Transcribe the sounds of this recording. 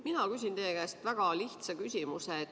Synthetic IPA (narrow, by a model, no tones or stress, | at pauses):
minɑkys̬ʲint̪eːɡæːst̪væɡ̥ɑliht̪sɑkysʲimuse